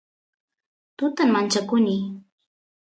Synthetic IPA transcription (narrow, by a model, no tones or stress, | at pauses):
t̪ʊt̪ammant͡ʃakʊnɪ